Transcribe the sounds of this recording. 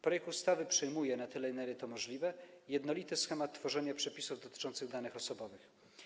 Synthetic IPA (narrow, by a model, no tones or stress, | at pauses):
pɾɔjɛk̚t̪ust̪avɘpʂɛjmujɛnat̪ɘlɛnɛvʲɛt̪ɔmɔʐlʲivɛjɛd̪nɔlʲit̪ɘsxɛmat̪ːfɔʐɛɲapʂɛpʲisuvd̪ɔt̪ɘ̥t͡ʂɔnt̪sɘɣd̪anɘxɔsɔbɔvɘx